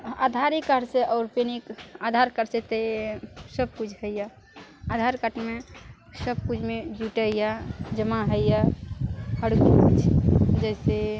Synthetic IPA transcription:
a̰d̪ʱaɾikəɽseʔɔːɾpenikad̪ʱaɾkəɾset̪esəb̚kut͡ʃʰhəjja | ad̪ʱaɾkəʈme | səb̚kud͡ʒʰmed͡ʒuʈəijad͡ʒəmaɦəjja | həɽkiit͡ʃʰd͡ʒəɪse

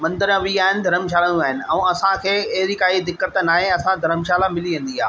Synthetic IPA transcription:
mɐ̃nd̪əɾə̃ʋiaːɦɪnɪ̆d̪ʱɐɾəmʃ̬aːlə̃uaːɦɪnɪ̆ɛ̃ũːɐsãkʰeːɐɦɪɾikaːid̪ɪkːət̪naːɦẽɐsãd̪ʱɐɾəmʃaːlamɪliʋẽːn̆d̪ia̰ː

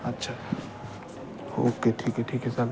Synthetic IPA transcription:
ɐtːʃʰaː | ho̰ːkːeʈʰiːkɛʈʰiːkɦɛsan

